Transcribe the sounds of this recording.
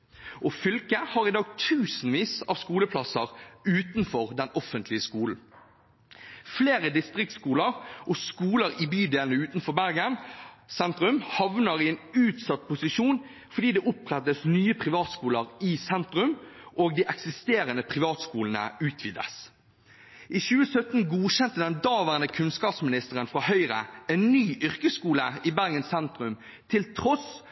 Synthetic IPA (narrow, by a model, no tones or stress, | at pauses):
ʔɔfʏlkəhɑːʁɪd̪ɑːɡt̪ʰʉːsn̩ʋiːsɑːʋskuːləpʰlɑsəʁʉːt̪nfɔʁd̪ɛnɔfənt̪ʰlɪəskuːln̩ | fleːʁəd̪ɪst̪ʁɪk̚t̪skuːləʁʔɔskuːləɾɪbyːd̪eːlnəʉːt̪nfɔbæʁɡənsɛnt̪ʁʉmhɑʋnəʁɪɛːnʉːt̪sɑt̪̚ːpʰʊsɪʃuːn | fɔɖ̪iːd̪ɛːʔʊpʁɛt̪ːəsnyːəpʰʁɪʋɑːt̪skuːləʁɪsɛnt̪ʁʉmʔoːɡd̪iːʔɛksɪst̪eːɾənəpʰʁɪʋɑːt̪skuːln̩ə̰ʉːt̪ʰʋiːd̪ə̰s | ʔɪçʉːəsœt̪n̩ɡuːɕɛnt̪əd̪ɛnd̪ɑːʋæʁənəkʰʉnskɑːpsmɪnɪst̪əʁənfʁɑːhœʏʁə̰ɛnnyːʔʏʁkəskuːləɪbæʁɡənsɛnt̪ʁʉm | t̪ʰɪlt̪ʰʁɔs